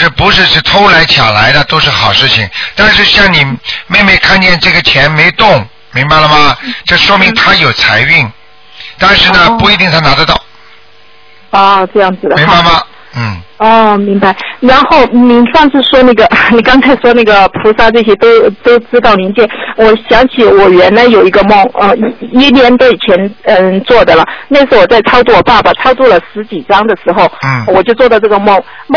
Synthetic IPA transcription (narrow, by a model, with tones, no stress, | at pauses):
ʈ͡ʂə˥˩pu˧˥ʂɻ̩˥˧ʂɻ̩˥˩t̪ʰo˥ʊla˧˥ɪt͡ɕʰja̰˨˩la˧˥ɪd̪ə˧t̪o˥ʊʂɻ̩˥˩xɑ˨˩ʊʂɻ̩˥˩t͡ɕʰi˨˩ŋt̪a˥˧nʂɻ̩˥˧ɕjɑ˥˩ŋni˨˩me˥˧ɪme˥˧ɪkʰa˥˧nt͡ɕjɛ˥˧nʈ͡ʂɤ˥˩ɡə˩t͡ɕʰjɛ˧˥nme˧˥ɪt̪ʊ˥˩ŋ | mi˧˥ŋba˧ɪlə˩mɐ˨˩ʈ͡ʂɤ˥˩ʂwɔ˥mi˧˥ŋt̪ʰa˥jo˨˩ʊt͡sʰa˧˥ɪy˥˩n | t̪a˥˧nʂɻ̩˥˩nə˩pu˧˥i˧˥t̪i˥˩ŋt̪ʰa˥na˧˥d̪ə˧t̪ɑ˥˩ʊ | ɔ˥˩ʈ͡ʂɤ˥˧jɑ˥˩ŋd͡zɹ̩˩d̪əmi˧˥ŋba˧ɪmɐ˨ | n̩˥˩ɔ˥˧mi˧˥ŋba˧ɪɻa˧˥nxo˥˩ʊni˧˥nʂɑ˥˧ŋʂɻ̩˥˩ʂwɔ˥na˥˩ɡə˩ni˨˩kɑ˥ŋt͡sʰa˧˥ɪʂwɔ˥na˥˩ɡə˩pʰu˧˥ʂa˥˧ʈ͡ʂɤ˥˩ɕ̬jɛ˥t̪o˥ʊt̪o˥ʊʈ͡ʂɻ̩˥t̪ɑ˥˩ʊni˧˥nt͡ɕjɛ˥˩wɔ˨˩ɕjɑ˧˥ŋt͡ɕʰi˨˩wɔ˨˩ɥɛ˧˥nla˧˥ɪjo˨˩ʊi˧˥ɡə˧mʊ˥˩ŋə˥˧˥i˧˥njɛ˧˥nt̪e˧˩i˨˩t͡ɕʰjɛ˧˥nə˥˧˩t͡swɔ˥˩d̪ə˩lə˩na˥˩ʂɻ̩˥wɔ˨˩t͡sa˥˩ɪt͡sʰɑ˥ʊt͡swɔ˥˩wɔ˨˩pa˥˩bɐ˨˩t͡sʰɑ˥ʊt͡sɔ˥˩lə˩ʂɻ̩˧˥t͡ɕi˨˩ʈ͡ʂɑ˥ŋd̪ə˨ʂɻ̩˧˥xo˥˧ʊ˥˩wɔ˨˩t͡ɕjo˥˧ʊt͡swɔ˥˩d̪ə˩ʈ͡ʂɤ˥˩ɡə˩mʊ˥˩ŋ | m˥˧